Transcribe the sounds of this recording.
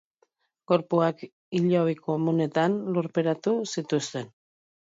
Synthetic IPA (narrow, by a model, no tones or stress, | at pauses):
ko̞ɾpuak | iʎoβikomune̞t̪anluɾpe̞ɾat̪usit̪ust̪e̞n